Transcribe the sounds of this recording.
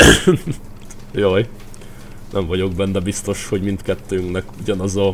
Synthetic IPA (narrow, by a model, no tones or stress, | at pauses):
joːj | nʔɛɱvɒɟo̞ɡbɛnːɛbist̪o̞ʃho̞ɟmint̪kɛt̪ːøːŋknɛkuɟɒnɒzɒ